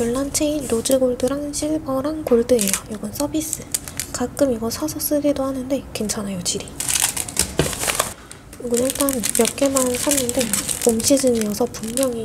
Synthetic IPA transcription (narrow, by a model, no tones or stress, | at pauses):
jʌɭːant͡ɕʰe̞inɾod͡ʑɯɡoɭdɯɾaŋɕʰiɭbʌɾankoɭdɯe̞jʌjʌɡʌns͈ʌbis͈ɯkak͈ɯmiɡʌsʰʌsʰʌs͈ɯɾidohanɯnde̞kwent͡ɕʰanajod͡ʑiɾi | ɡunʌɭt͈anmjʌp̚k͈e̞mansʰʌnːɯnde̞omɕʰid͡ʑɯnijʌsʰʌpummjʌŋi